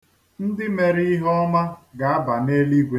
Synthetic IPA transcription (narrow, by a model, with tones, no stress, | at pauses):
n̩˦dɪ˦me˨ɾi˦i˦ɦɔ˦ma˦ɡa˨a˦ba˨ne˦li˦ɡʷe˨